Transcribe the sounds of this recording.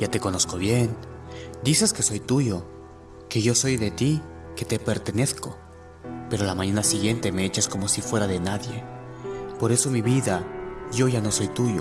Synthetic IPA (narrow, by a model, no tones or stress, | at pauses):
ʝat̪e̞ko̞no̞sko̞βje̞nd̪iseske̞so̞jt̪uʝo̞ | ke̞ʝo̞so̞jðe̞t̪i | ke̞t̪e̞pe̞ɾt̪e̞ne̞θko̞ | pe̞ɾoalamãɲanasiɣje̞nt̪eme̞et͡ʃasko̞mo̞sifwe̞ɾaðe̞naðje̞ | po̞ɾe̞so̞miβiðaʝo̞ʝano̞so̞jt̪uʝo